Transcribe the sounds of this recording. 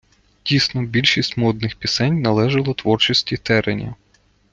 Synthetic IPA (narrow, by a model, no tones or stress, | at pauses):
dʲisnɔbʲilʲʃisʲtʲmɔd̪nɪxpʲisɛnʲnɐlˠɛʒɐlˠɔt̪ʋɔrt͡ʃisʲtʲit̪ɛɾenʲɐ̰